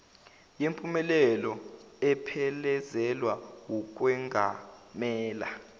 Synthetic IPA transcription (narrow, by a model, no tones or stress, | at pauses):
jempʼumɛlɛlɔɛpʰɛlɛzɛlwawuk̬ʼwɛŋɡʱa̰mɛːla̰